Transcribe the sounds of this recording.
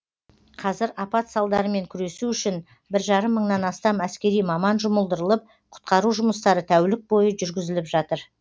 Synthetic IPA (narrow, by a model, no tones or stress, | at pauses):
qʰɑzɪɾɑpɑt̪sɑlˠd̪ɑɾəme̞ŋkʲʰʏɾe̞suʏʃɪn | bɪɾʒɑɾəmːəɴnɑnɑst̪ɑmæskʲe̞ɾijmɑmɑnʒʊməlˠd̪əɾəlˠəp̚ | qʰʊ̥t̪̚qɑɾuʒʊməst̪ɑɾət̪ʰæwlɪk̚bo̞jəʒʏɾɡʲɪzɪlɪpʒɑt̪əɾ